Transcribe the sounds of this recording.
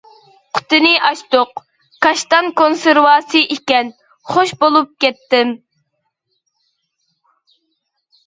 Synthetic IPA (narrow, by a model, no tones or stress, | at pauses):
qʰʊ̥t̪ɨnɪʔɑʃt̪oq | kɑʃt̪ɑnkonsɪɾvɑːsɨʔikʲɛn | χoʃbolˠup̚kʲɛt̪ːɪm